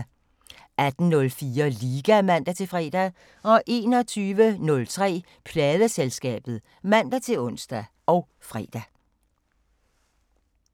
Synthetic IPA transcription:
æd̥n̩nɔ̽lfiːɐliːɡ̥æmæn̰d̥æt͡sʰe̝fʁɛ̰ːd̥æ | ɒ̽ʔe̝ːnɒ̽t͡sʰyːʋənɔ̽lt͡sʰʁɛ̰ː | pʰlɛːðˠəselsɡ̥ɛ̰ːb̥ð̩ˠ | mæn̰d̥æt͡sʰe̝lɔ̽n̰sd̥æ | ʔɒʊ | fʁɛ̰ːd̥æ

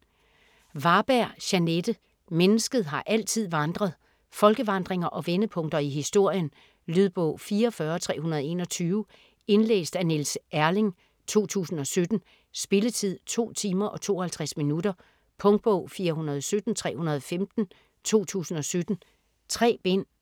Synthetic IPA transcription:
ʋɑ̈b̥æɐ̰ɕæned̥ə | menəsɡ̥ð̞̩ˠɦɑ̈ʔæl̰t͡sʰið̞̰ˠʋɑ̈nd̥ʁɐðˠ | fɒ̽lɡ̥əʋɑ̈nd̥ʁeŋɐʔɒ̽ʋenəpʰɔ̽ŋ̰d̥ɐiɦisd̥o̝ɐ̰jən | lyðˠb̥ɔ̰̽ʊ̰fiːɐɒfɶɐɒt͡sʰʁɛ̰ːhunɐð̞ˠe̝̰ːnɒ̽t͡sʰyːʊ | e̝nlḛːsd̥ænelsʔæɐle̝ŋ | t͡sʰo̝̰ːt͡sʰṵːsn̩ɒ̽sød̥n̩ | sb̥e̝lət͡sʰið̰ˠt͡sʰo̝̰ːt͡sʰiːmɐʔɒ̽t͡sʰo̝̰ːɒhælt͡sʰʁasminudɐ | pʰɔ̽ŋd̥̚b̥ɔ̰ʊ̰fiːɐɦunɐð̞ˠɒsød̥n̩t͡sʰʁɛ̰ːhunɐð̞ˠɒ̽femd̥n̩ | t͡sʰo̝̰ːt͡sʰṵːsn̩ɒ̽sød̥n̩ | t͡sʰʁɛ̰ːb̥en̰

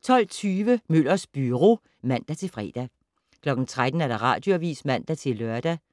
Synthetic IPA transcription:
t͡sʰɒ̽l̰t͡sʰyːʋəmøl̰ɐsb̥yʁo̝ː | mæn̰d̥æt͡sʰe̝lfʁɛ̰ːd̥æ | kʰlɒ̽ɡ̥n̩t͡sʰʁad̥n̩æɐɾ̥ɑ̈ʁɑ̈ːd̥jo̝æʋḭːsmæn̰d̥æt͡sʰe̝lːɶɐd̥æ

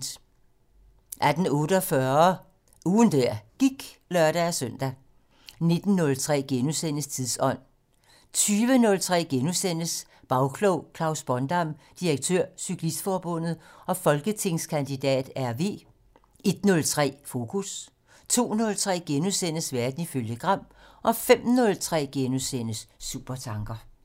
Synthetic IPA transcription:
ʔæd̥n̩ɔ̽ːɾəɒfɶɐ | uːn̩d̥æɐ̰ɡ̥iɡ̥lɶɐ̰ɾ̥ææsœn̰d̥æ | ne̝d̥n̩ːɔ̽lt͡sʰʁɛ̰ːɡ̥enusen̰əst͡sʰiðˠsɒ̽n̰ | t͡sʰyːʋənɔ̽lt͡sʰʁɛ̰ːɡ̥enusen̰əs | b̥ɑ̈ʊkʰlɔʊ̰kʰlɑ̈ʊsb̥ɒ̽nd̥ɑ̈m̰d̥iɐɡ̥̚t͡sʰøɐ̰sykʰlisd̥fɒːb̥ɔ̽n̰ð̩ˠɒ̽fɒ̽lɡ̥ət͡sʰe̝ŋskʰænd̥id̥ɛ̰ːd̥æɐʋe̝̰ː | e̝d̥nɔ̽lt͡sʰʁɛ̰ːfo̝kʰus | t͡sʰo̝̰ːnɔ̽lt͡sʰʁɛ̰ːɡ̥enusen̰əsʋæɐd̥n̩iføljəɡ̥ʁɑ̈m̰ | ʔɒ̽fem̰nɔ̽lt͡sʰʁɛ̰ːɡ̥enusen̰əsːṵb̥ɐt͡sʰɑ̈ŋɡ̥ɐ

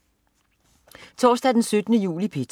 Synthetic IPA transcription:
t͡sʰɒ̰ːsd̥ɛd̥ensød̥ənəjṵːlipʰe̝t͡sʰ

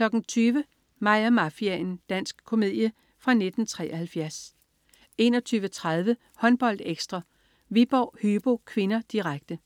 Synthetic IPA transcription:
kʰlɒ̽ɡ̥n̩t͡sʰyːʋə | mɑ̈ɪ̰ɐmɑfiæend̥æn̰sɡ̥kʰo̝með̰ˠjə | fʁɑ̈ne̝d̥n̩t͡sʰʁɛ̰ːɐhælfjæɐs | e̝ːnɒ̽t͡sʰyːʋət͡sʰʁað̞ˠʋə | hɒ̽nb̥ɒ̽l̰d̥eɡ̥sd̥ʁɑ | ʋib̥ɒːhyːb̥o̝kʰʋe̝nɐd̥iʁaɡ̥̚d̥ə

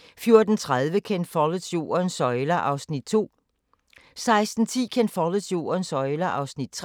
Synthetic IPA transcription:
fjo̝ɐd̥n̩t͡sʰʁaðˠʋəkʰend̥fɒləsjo̝̰ːɐnsɒ̽ɪlɐʔɑ̈ʊsnid̥t͡sʰo̝̰ː | sɑ̈ɪsd̥n̩t͡sʰḭːkʰend̥fɒləɕjo̝̰ːɐnsɒ̽ɪlɐʔɑ̈ʊsnid̥̚t͡sʰʁ

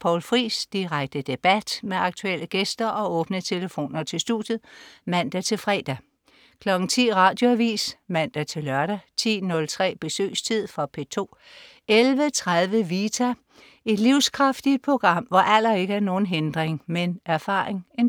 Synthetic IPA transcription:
pʰɒʊlfʁḭːsd̥iʁaɡ̥̚d̥əd̥e̝b̥æd̥meɑ̈ɡ̥̚t͡sʰuel̰əɡ̥esd̥ɐʔɒ̽ɔ̽ːb̥nət͡sʰe̝ləfo̝̰ːnɐt͡sʰe̝lsd̥u̥jð̩ˠmæn̰d̥æt͡sʰe̝lfʁɛ̰ːd̥æ | kʰlɒ̽ɡ̥n̩t͡sʰḭːʁɑ̈ːd̥jo̝æʋḭːsmæn̰d̥æt͡sʰe̝lɶɐɾ̥æt͡sʰḭːnɔ̽lt͡sʰʁɛ̰ːb̥e̝sø̰ːst͡sʰið̞̰ˠfʁɒpʰe̝̰ːt͡sʰo̝̰ː | elʋət͡sʰʁaðˠʋəʋiːt͡sʰæ | e̝d̥liʊskʰʁɑfd̥id̥̚pʰo̝ɡ̥ʁɑ̈m̰ʋɒʔæl̰ɐe̝ɡ̥əæɐno̝ːn̩ɦend̥ʁeŋmenæɐfɑ̈ːʁeŋen

